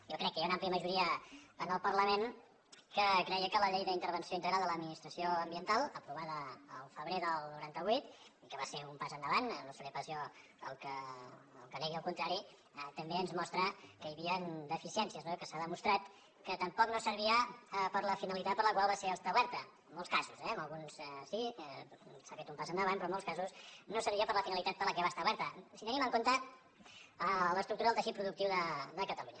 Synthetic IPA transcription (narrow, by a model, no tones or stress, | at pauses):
jɔkɾɛkːəjaunampliəməʒuɾiəənəlˠpəɾləmen | kəkɾɛjəkələʎejðəint̪əɾβənsioint̪əɣɾalˠd̪ələd̪minist̪ɾəsioəmbiənt̪alˠəpɾuβ̞aðəːlˠfəβɾeðəlˠnuɾant̪əβ̞ujt̪ikəβaseumpazənd̪əβannosəɾepəsjo | əlˠkəə̰lˠkəlɛɣiəlˠkunt̪ɾaɾi | ət̪əmbeənzmɔst̪ɾəkəjəβiənd̪əfisiɛnsiəznokəsaðəmust̪ɾat̪ | kət̪əmpɔknosəɾβiəpəɾləfinəlit̪at̪̚pəɾləkwalˠβaseəst̪auβɛɾt̪ə | mːɔlˠskazuzɛənəlˠɣunssi | safet̪umpasənd̪əβanpɾɔəmolskazusnosəɾβiəpəɾləfinəlit̪at̪̚pəɾləkɛβast̪auβɛɾt̪əsit̪ənimə̃ŋkont̪ə | ələst̪ɾukt̪uɾaðəlˠt̪əʃit̪pɾuðukt̪iwðəd̪əkət̪əluɲə